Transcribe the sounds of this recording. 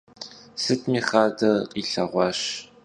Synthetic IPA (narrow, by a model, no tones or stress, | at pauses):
sɨtʰmiːχaːdɐqʼiːɬɐʁʷɑːɕ